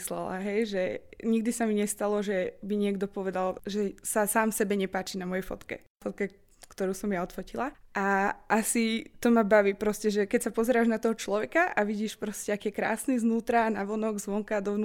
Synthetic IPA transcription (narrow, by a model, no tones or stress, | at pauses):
slɛ̰la̰ɦɛjʒɛɲiɡ̚d̪isamiɲɛst̪alɔʒɛbiɲɪɛɡd̪ɔpɔʋɛd̪alʒɛsasaːmfsɛbɛɲɛpaːt͡ʃiːnamɔjɛfɔt̪kɛ̰ | fɔt̪̚kɛ | kt̪ɔɾuːsɔmjaɔt̪fɔcilaʔaʔasit̪ɔmabaʋiːpɾɔscɛʒɛkɛcsapɔzɛɾaːʒnat̪ɔɦɔt͡ʃlɔʋɛkaʔaʋiɟiːʃpɾɔscɛakiːjɛkɾa̰ːsniznuːt̪ɾanaʋɔnɔɡzʋɔŋkad̪ɔʋnu